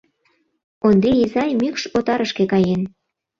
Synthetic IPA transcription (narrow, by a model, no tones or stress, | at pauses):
ond̪eizɑjmykʃot̪ɑɾəʃkekɑjen